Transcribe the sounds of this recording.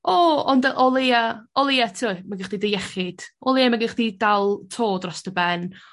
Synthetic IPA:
oɔndəʔɔlˠejaɔlˠɪːatʰuɪmaɡɪχdidəjɛχɪd̥ɔlˠeamaɡɪχdidalˠtʰoːdrɔsd̥əbɛn

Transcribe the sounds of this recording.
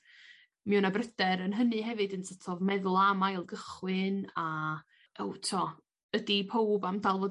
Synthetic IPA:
mɛunabrədɛɾənɦənɨɦɛvɨdənsʰətʰɔvmɛðʊlˠamajlˠɡəχwɨna | owtʰɔ | ədipʰowbamdalˠvɔː

